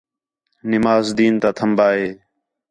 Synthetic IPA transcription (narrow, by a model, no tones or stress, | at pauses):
nɪmaːzd̪iːnt̪aːt̪ʰəmbaːɦeː